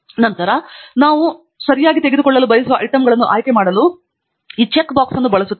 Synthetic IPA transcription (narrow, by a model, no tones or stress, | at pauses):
nɐnt̪ɐɾɐnaːʋu | sɐɾijaːɡit̪e̞ɡed̪ukɔɭːɐlubɐjɐsuʋɐʔɐ̰jʈɐmɡɐɭɐnːuʔaːjkemaːɽɐlu | iːt͡ʃekːbaːksɐnːubɐɭɐsut̪ː